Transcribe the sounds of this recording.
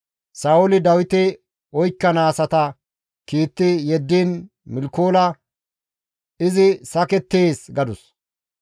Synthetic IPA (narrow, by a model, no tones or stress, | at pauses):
saːʊlɪd̪ɐwɪt̪ɪ | ɔjkːɐnaːsɐt̪ɐ | kiːt̪ːɪjɛd̪ːiːn | mɪlkoːlɐ | ɪzɪsɐkɛt̪ːeːsɡɐd̪ʊs